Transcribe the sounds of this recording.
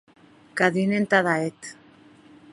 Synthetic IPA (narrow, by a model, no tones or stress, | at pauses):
kaðinent̪aðaet̪